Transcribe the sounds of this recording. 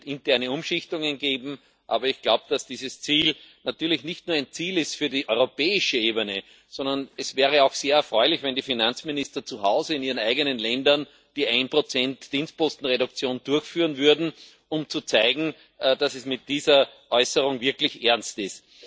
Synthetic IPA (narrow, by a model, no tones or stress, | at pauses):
ɪntɛɐnəʊ̃mʃɪçtʊŋənɡeːbm̩ | ʔa̰ːbɐɪçɡ̥laʊb̚d̥asd̥iːzəst͡siːlnatyːɐlɪçnɪçtnuːɐæɪnt͡siːlɪstfyːɐdiːʔɔʏʁopɛːɪʃəeːbənə | sɔ̃ndɐnɛsvɛːʁəɑʊxseːɐɛɐfʁɔʏlɪçvɛ̃ndiːfinant͡smɪnɪstɐt͡suhaʊzəɪniːʁənaɪɡənənlɛ̃ndɐn | d̥iːʔãɪnpʁot͡sɛ̃ntd̥iːnst̚pɔstn̩ʁeɾʊk̚t͡sjoːnd̥ʊɐçfyːʁənvʏɐdn̩ | ʊmt͡sut͡saɪɡŋ̩ | d̥asɛsmɪt̚d̥iːzɐʔɔʏsəʁʊ̃ŋvɪɐklɪçʔɛɐnstɪst